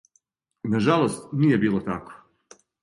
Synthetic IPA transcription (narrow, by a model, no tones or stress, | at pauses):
naʒalˠost̪nije̞biːlˠot̪ako̥